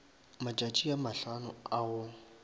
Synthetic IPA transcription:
mat͡ʃʼat͡ʃʼiamaɬanʊaʊ

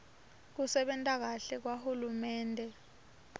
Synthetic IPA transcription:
k̬usɛɓɛntʼak̬aɬɛk̬wahulumɛːntʼɛ

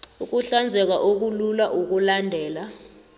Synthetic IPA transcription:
uk̬uɬand͡zʱɛk̬aʔok̬ululaʔuk̬ulandʱɛːla

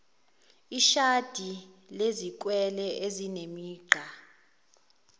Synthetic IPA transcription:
iʃad̥ʱilezik̬ʼwɛlɛʔezinemiːɡ͡ǃʱa

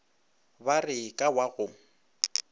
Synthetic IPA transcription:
barɪkʼawaɣʊŋ̩

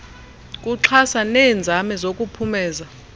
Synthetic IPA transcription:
kʼuǁʰasanɛːnd͡zʱamɛzokʼupʰumɛːza

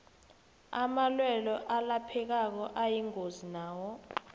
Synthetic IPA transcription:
amalwɛlɔʔalapʰɛk̬ak̬ɔʔajiŋozinaːwɔ

